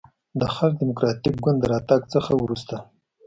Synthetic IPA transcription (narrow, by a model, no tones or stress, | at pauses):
d̪əxal̚d̪ɪmʊkɾɑt̪ik̚ɡʊnd̪d̪ːəɾɑt̪aɡt͡səxawɾust̪a